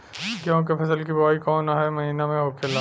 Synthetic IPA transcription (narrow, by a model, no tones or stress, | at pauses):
kjõːk̬epʰɐsəlkibɔːikɔːnaɦɛmɐɦiːnamẽɦoːkʰela